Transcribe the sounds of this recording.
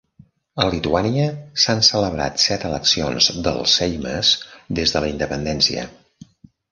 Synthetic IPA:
əlit̪uaniəsansələβɾa̰t̪sɛt̪ələksionzðə̰lˠsɛjmə̰zd̪ezðələind̪əpənd̪ɛnsiə̰

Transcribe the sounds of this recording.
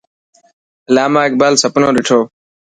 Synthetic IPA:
laːmãːɪk̚baːlsəpnõːɾɪʈʰoː

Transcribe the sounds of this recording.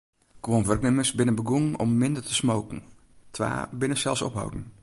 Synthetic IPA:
kʋoːnvərknɪməsbɪnənbəɡuŋn̩ɔmːɪndərtʰəsmowkŋ̩ | tʰʋa̰ːbɪnəsɛlˠsɔ̰pɦa̰wdn̩

